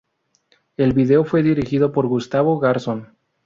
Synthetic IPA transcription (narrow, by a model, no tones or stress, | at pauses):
e̞lβiðe̞o̞fweðiɾixiðo̞po̞ɾɣust̪aβoɣaɾson